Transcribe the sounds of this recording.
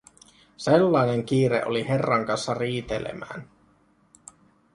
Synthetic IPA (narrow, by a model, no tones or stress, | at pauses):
selːɑine̞ŋk̟iːɾḛʔoliherːɑŋkɑnsːɑriːt̪elḛmæ̰ːn